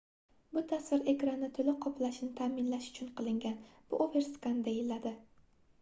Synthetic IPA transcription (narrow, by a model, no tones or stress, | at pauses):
bʊt̪ʰasvɪɾe̞kɾanːɪt̪ʰʊlɪqʰɒpʰlaʃɪnɪt̪ʰaːmɪnlaʃʊ̥t͡ʃʰʊnqʰɨlˠɪŋɡʲanb̥ʊ̰ʔove̞ɾskand̪ajɪlad̪ɪ